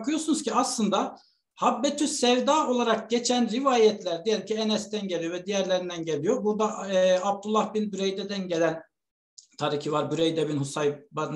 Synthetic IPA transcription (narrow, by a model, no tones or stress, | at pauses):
kʰɯjoɾsunuzcʰiaslˠɯnd̪a | habːɛt̪ʰysɛvd̪aːo̞lˠaɾak̚ɟet͡ʃʰænɾivaːjɛt̪ʰlʲæɾd̪ijɛlʲimcʰienɛst̪ænɟelʲˠijovɛd̪ijæɾlʲeɾind̪ænɟelʲijobuɾd̪aab̚d̪ulˠːahbinbyɾejd̪ɛd̪ænɟelʲæn | t̪ʰaɾicʰivaɾbyɾejd̪ɛbinhusajba